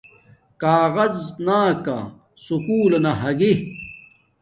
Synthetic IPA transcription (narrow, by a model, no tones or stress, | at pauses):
kaːɣɐznaːka̰ | sukuːlɐnɐɦɐɡi